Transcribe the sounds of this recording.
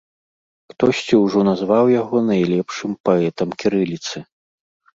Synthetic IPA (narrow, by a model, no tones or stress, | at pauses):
xt̪ɔsʲt͡sʲiwʐɔnazvawjaɣɔnajlʲɛpʂɨmpaɛt̪ɐmkʲiɾɨlʲit̪sɨ